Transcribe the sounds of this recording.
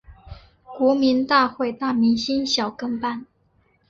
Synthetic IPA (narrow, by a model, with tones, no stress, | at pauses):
kwɔ˧˥mi˧˥nt̪a˥˧xwe˥˧ɪt̪a˥˩mi˧˥ŋɕi˥nɕjɑ˨˩ʊkɤ˥ŋpa˥˩n